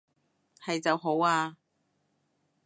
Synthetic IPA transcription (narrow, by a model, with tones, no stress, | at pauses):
hɐ˨jt͡sɐ˨wɦo˨˥waː˧